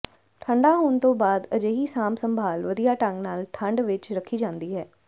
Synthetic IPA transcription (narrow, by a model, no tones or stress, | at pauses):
ʈʰəɳɖaːɦoːnt̪õːbaːd̪əd͡ʒeːɦiːsaːmsəmbʱaːlʋəd̪ijaːʈəŋɡnaːlʈʰəɳɖʋɪt͡ʃɾəkʰːiːd͡ʒãːnd̪iːɦɛː